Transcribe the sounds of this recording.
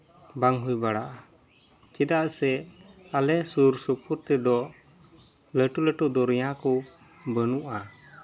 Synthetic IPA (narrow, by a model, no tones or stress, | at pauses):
baŋɦujbaɽaʔa | t͡ʃid̪aʔsɛalɛsuɾsupuɾt̪ɛd̪ɔ | ləʈuləʈuʔd̪ɔɾɛjãkɔ | bənuʔa